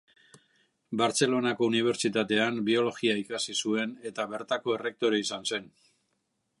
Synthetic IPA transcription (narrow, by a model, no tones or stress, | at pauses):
baɾt͡se̞lo̞nako̞uniβ̞e̞ɾt͡ʃit̪at̪e̞ambio̞lo̞ɣiaikasisue̞ne̞t̪aβe̞ɾt̪ako̞e̞re̞k̚t̪o̞ɾeisanse̞n